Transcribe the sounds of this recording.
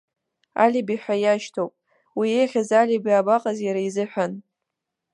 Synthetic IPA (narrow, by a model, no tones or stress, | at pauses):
a̰lʲibiħʷᶣajaʃtʰowpʼ | wijejχʲazalʲibiabaqʼazjaɾaizɨħʷᶣan